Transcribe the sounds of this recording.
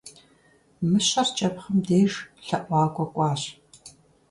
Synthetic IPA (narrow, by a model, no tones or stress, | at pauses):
mɨɕɐrt͡ʃʼɐpχɐmdeːʒɬɐʔʷɑːkʷʼɔkʷʼɑːɕ